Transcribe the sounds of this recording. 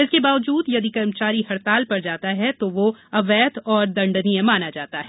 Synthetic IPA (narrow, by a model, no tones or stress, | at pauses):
ɪskebaːʋd͡ʒuːd̪jɐd̪ikɐɾmt͡ʃaːɾiɦɐɾt̪aːlpɐɾd͡ʒaːt̪aɦɛt̪oʋoɐʋɛːt̪ʰɔːɾd̪ɐ̃ɳɖniẽmaːnad͡ʒaːt̪aɦɛ